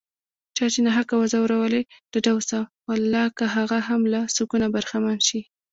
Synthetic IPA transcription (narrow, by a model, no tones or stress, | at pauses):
t͡ʃɑt͡ʃenaɦakawazawəɾawəled̪̥əɖawsawalːɑkaɦaɣaɦamlasukunabaɾxamanʃi